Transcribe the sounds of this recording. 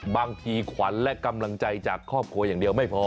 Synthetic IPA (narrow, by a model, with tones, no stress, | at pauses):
baː˧ŋt̪ʰiː˧kʰwa˩˦nlɛ˦˥ʔka˧mla˧ŋt͡ɕa˧jt͡ɕaː˨˩kʰːɔː˥˩p̚kʰu˧ɐjaː˨˩ŋdi˧əwma˥˩jpʰɔː˧